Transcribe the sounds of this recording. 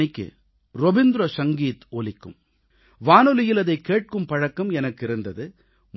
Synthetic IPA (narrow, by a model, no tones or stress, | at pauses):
ɪkːɯ̰ | ɾɔbɪnd̪ɾosɐŋɡiːt̪oːlɪkːɯ̰m | ʋaːnɯlɪjɪlɐðɐɪkːeːʈ̚kɯmpɐɻɐkːɐmɛnɐkːɪɾɯnd̪ɐðɯ | m